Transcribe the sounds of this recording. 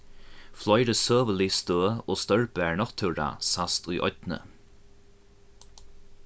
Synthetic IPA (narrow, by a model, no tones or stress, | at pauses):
flɔjɾəsøːvəliːst̪øːəoːst̪œɹbɛːɹnɔxt̪ʰɪwɾa̰ːsast̪ʰujʔɔ̰t̪nə̰